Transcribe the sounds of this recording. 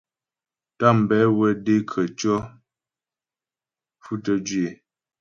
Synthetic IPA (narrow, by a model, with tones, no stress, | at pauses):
ta˦˨m̩˨bɛ˨˦wɛ˦de˦kʰə˨t͡ʃɔ˦ | fu˦tə˦d͡ʒɥe˨